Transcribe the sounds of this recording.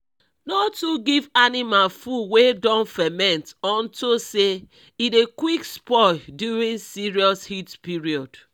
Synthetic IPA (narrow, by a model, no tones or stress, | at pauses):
nɔtːuɡivanimalfuwedɔ̃nfɛmɛ̃ntɔ̃ntose | idekwikspɔduɹĩnsiɹiɔshitpiɹiɔd̥